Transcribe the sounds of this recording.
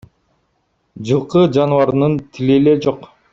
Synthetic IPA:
d͡ʒɯlˠqɯd͡ʒɑnuɑɾnɯnt̪ʰileled͡ʒo̞q

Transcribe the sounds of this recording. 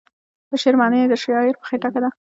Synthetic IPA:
bəʃɪɾmɑnəd̪əʃjɑɪɾpə̥xeʈakad̪a

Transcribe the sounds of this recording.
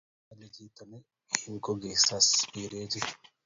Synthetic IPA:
ɐlːɛt̪ʰiːt̪ːɐmɛ | hɪŋkɔɡeːsːasiːɾeːt̪ɪ

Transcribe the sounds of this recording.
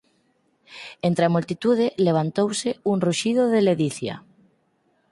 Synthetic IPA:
ent̪ɾeamult̪it̪uð̞ɪleβ̞ant̪owsɪuŋruʃiðoðeleðiθja̰

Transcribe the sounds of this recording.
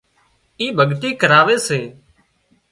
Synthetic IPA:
iːbʱəɠʈ̪iːkəɾaːʋeːseː

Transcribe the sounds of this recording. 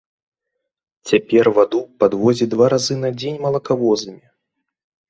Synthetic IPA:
t͡sʲapʲɛrvad̪upad̪vɔzʲid̪vaɾazɨnɐd͡zʲenʲmɐlˠɐkavɔzɨmʲi

